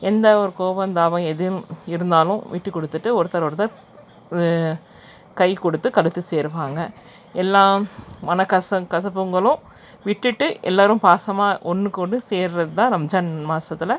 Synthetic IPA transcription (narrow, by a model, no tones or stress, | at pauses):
ɛnd̪ɐɔɾɯkoːʋɐnd̪aːʋɐ̃ɛðɪj̃ɪɾɯnd̪aːlʊ̃ʋiːʈːɯkːɔɽɯt̪ːɯʈːɯɔɾɯt̪ɐɾɔɾɯt̪ɐ | kɐɪkɔɽɯt̪ːɯkɐlɯt̪ːɯseːɾɯʋaːŋɡɐ | ɛlːãːmɐnɐkːɐsɐkɐsɐpːɯŋɡɐɭʊ̃ | ʋɪʈːɯʈːɯʔɛ̰lːaːɾɯ̃mpaːsɐmaːʔɔnːɯkːɔɳːɖɯseːɾɾɐðɯt̪ãːɾɐmd͡ʒaːnmaːsɐt̪ːɪlɐ